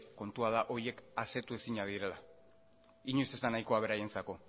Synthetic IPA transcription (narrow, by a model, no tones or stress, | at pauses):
ko̞nt̪uað̞aʔo̞ɾje̞kase̞t̪uesiɲaðiɾe̞la | iɲusezt̪anajko̞aβ̞e̞ɾaje̞nt͡sako̞